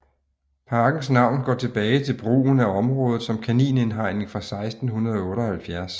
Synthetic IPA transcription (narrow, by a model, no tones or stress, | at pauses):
pʰɑ̈ːɡ̥n̩snɑ̈ʊ̰nɡ̥ɒ̰ːt͡sʰe̝b̥ɛːɪt͡sʰe̝lb̥ʁṵːn̩æɒ̽mʁɔ̽ːð̞̩ˠsɒ̽mkʰænḭːne̝nɦɑ̈ɪ̰ne̝ŋfʁɑ̈sɑ̈ɪsd̥n̩hunɐð̞ˠɔ̽ːɾɒhælfjæɐs